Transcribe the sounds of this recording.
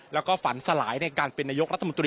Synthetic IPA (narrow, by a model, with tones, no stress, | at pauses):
lɛː˦˥wkɔː˥˩fa˩˦nsa˧laː˩˦jna˧jkaː˧npe˧nːaː˧jo˦˥kɾa˦˥t̪ʰːo˧nt̪̬ɾiː˧